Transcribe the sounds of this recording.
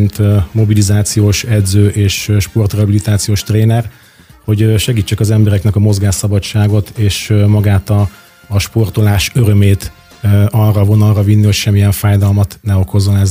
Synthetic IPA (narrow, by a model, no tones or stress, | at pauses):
nt̪mo̞bilizaːt̪sijoːʃɛd̪zøːʔeːʃʃpo̞rt̪rɛɦɒbilit̪aːt̪sijoːʃt̪reːnɛr | ho̞ɟʃɛɡiːt͡ʃːɛkɒzɛmbɛɾɛknɛkɒmo̞zɡaːʃsɒbɒt͡ʃːaːɡo̞t̪eːʃmɒɡaːt̪ɒː | ʃpo̞rt̪o̞laːʃøɾø̞meːt̪ | ɒrːɒvo̞nɒlrɒvinːiho̞cʃɛmːijɛɱfaːjd̪ɒlmɒt̪nɛo̞ko̞zːo̞nɛz